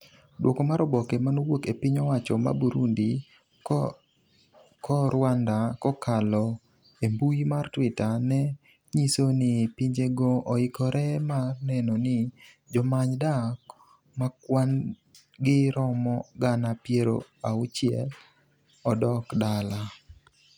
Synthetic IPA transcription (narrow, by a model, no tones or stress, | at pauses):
dwʔokomaɾɔbɔkemanowokepɪɲɔwat͡ʃɔma̰buɾundi | kʰɔɾwandakɔkʰalɔ | embujmartwɪtanɛ | ɲisonɪpiɲd͡ʒeɡɔːɪkɔɾʔɛmanɛnonɪ | d͡ʒɔmaɲda | makwan | ɡɪɾɔmɔɡanapjeɾo̰aʊt͡ʃjɛl | ɔdɔkdala